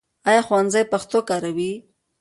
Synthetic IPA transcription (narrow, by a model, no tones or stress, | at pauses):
ajɑxwanzajpaxt̪okaɾawi